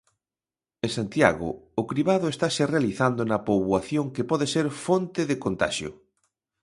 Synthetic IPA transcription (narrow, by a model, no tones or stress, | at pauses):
ẽsant̪ja̰ɣʊ̰ʊkɾiβaðʊest̪aserealiθand̪onɐpoβwaθjoŋkepɔðeseɾfont̪ɪðekont̪a̰ʃjʊ̰